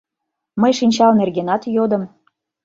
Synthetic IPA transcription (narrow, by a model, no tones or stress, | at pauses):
məjʃinʲt͡ɕɑlnerɣenɑt̪jod̪ə̆m